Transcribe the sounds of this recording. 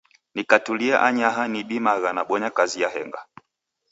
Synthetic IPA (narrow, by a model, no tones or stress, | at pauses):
nikatuliaʔaɲaɦaniɓimaɣanaɓɔɲakazijaɦɛ̰ŋɡa̰